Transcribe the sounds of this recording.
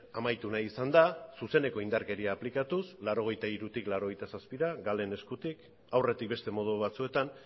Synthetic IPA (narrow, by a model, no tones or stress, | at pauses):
amajt̪unajisand̪asuse̞ne̞ko̞ind̪aɾke̞ɾiaːplikat̪uslaɾo̞ɣ̞e̞jt̪aiɾut̪iklaɾo̞ɣ̞e̞jt̪asaspiɾaɡale̞ne̞skut̪ik | awre̞t̪ik̚be̞st̪e̞mo̞ð̞uβat͡sue̞t̪an